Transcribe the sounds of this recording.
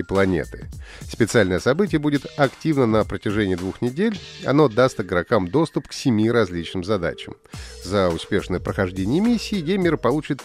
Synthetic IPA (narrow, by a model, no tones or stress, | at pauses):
ɪplˠɐnʲḛt̪ɨ̥̰spʲɪt̪sɨalʲnəjəsɐbɨtʲɪjəbudʲɪt̪ɐktʲivnənəpɾətʲɪʐɛnʲɪijːd̪vuxnʲɪdʲelʲɐ̰n̪o̞d̪ast̪ɪɡɾɐkamd̪o̞st̪ʊpksʲɪmʲiɾɐzʲlʲit͡ɕnɨmzɐd̪a̰t͡ɕɪ̰m | zəʊspʲe̞ʂnəjəpɾəxɐʐdʲenʲɪjəmʲisʲːiːjejmʲɪɾəpɐlˠut͡ɕɪt̪